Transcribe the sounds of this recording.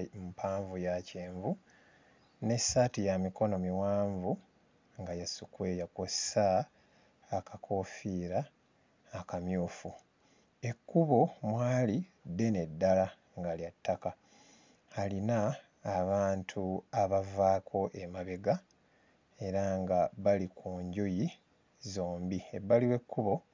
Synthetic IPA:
mupʰaːɱvujaceːɱvu | ne̞satijamiko̞no̞miwaːɱvu | ŋɡajasukwejakossaː | kakʰo̞ːfiːɾaː | kamjuːfu | e̞kːuβo̞mwaːli | dːe̞ne̞dːala | ŋɡaliatːaka | alinaː | βaːntʰuaβavaːkʰo̞ʔe̞maβe̞ɡa | e̞ɾaŋɡaβalikʰuːɲɟoji | zoːmbiebːaliwe̞kːuβo̞

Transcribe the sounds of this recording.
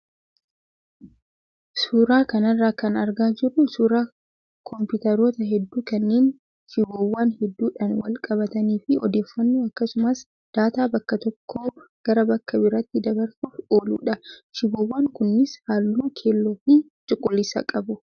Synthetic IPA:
suːɾaːkɐnɐrːaːkɐnɐɾɡaːd͡ʒɪrːʊsuːɾaː | kʰɔmpʊt̪ɐɾoːt̪ɐɦɛd̪ːuːkɐnːeːn | ʃɪboːwːaːnhɛd̪ːuːᶑɐnwɐ̰lkʼɐβɐt̪ɐniːfɪɔ̰d̪e̞ːfːɐnːuːɐkːɐsʊmɐs | d̪̥aːt̪aːbɐkːɐt̪ɔkːo̞ːɡ̥ɐɾɐbɐkːɐbɪɾɐt̪ːɪd̪ɐbɐɾsuːfo̞ːlṵːᶑɐʃɪboːwːaːŋkʊnːɪshaːlːʊmukʰeːlːoːfi | t͡ʃʼʊkʼːʊlːɪsɐ̰kʼɐbʊ

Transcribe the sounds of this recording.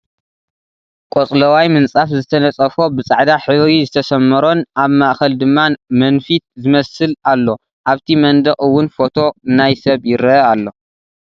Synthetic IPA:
kʼot͡sʼlɐwajmɨnt͡sʼafzɨt̪ʰɐnɐt͡sʼɐfo̞bɨt͡sʼaʕd̪aħɨβɾizɨt̪ʰɐsɐmːɐɾo̞nʔaβmaʔxɐld̪ɨmːamɐnfit̪̚zɨmɐsɨlalːo̞ | ʔaβt̪ʰimɐnd̪ɐχʼɨwːʊnfo̞t̪ʰo̞ɨnajsɐβjɪɾɐalːo̞

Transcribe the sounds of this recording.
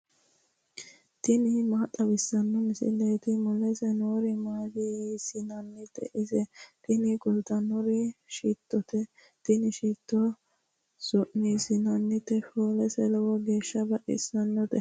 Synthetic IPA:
t̪ɪnɪmaːt̪ʼːɐbɪsːɐnːɔmɪsɪ̰lɛjt̪ɪmʊlɛsɛnoːɾɪmaːd̪isɪnɐnːɪt̪ːɛ̰ʔɪsɛt̪ɪnɪkʊlt̪ɐnːɔɾɪʃiːt̪ːɔt̪ɛ | t̪ɪnɪʃiːt̪ːɔ | sʊʔniːsɪnɐnːɪt̪ɛfoːlɛsɛlɛwɔɡe̞ːʃːɐbɐʔɪ̰sɐnːɔt̪ɛ

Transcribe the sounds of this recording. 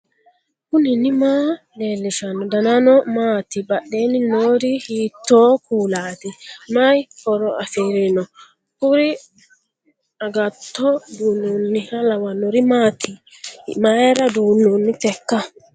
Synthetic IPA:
kʊnɪnɪmaː | leːlːɪʃɐnːɔd̪ɐnanɔmaːt̪ɪbaɗeːnɪnoːɾihiːt̪ːoːkuːlaːt̪ɪmajhɔɾɔafiɾɛnɔ | kʊɾɪ | aɡat̪ːɔd̪uːnːunːɪhalawanːɔɾɪmaːt̪ɪ | maɛɾɐd̪uːnːunːɪt̪ɛkːa

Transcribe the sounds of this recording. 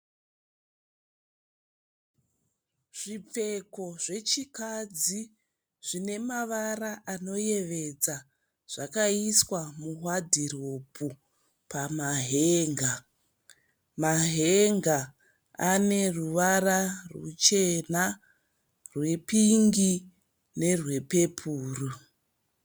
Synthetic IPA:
ʐ̥ip͡fe̞ko̞ʐe̞t͡ʃikad͡zi | ʐ̥ine̞maʋaraʔano̞je̞ʋe̞d͡za | ʐ̥akaiswamuɦwadʱiropʰu | pamaɦeːŋɡa | maɦe̞ŋɡa | ane̞ruʋararṵt͡ʃe̞na | rwe̞piŋɡi | ne̞rwe̞pe̞pʰuːru

